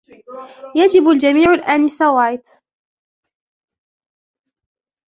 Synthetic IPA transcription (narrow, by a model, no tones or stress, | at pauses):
jad͡ʒɪbald͡ʒamiːʕʊlʔaːnɪsawaːjt̪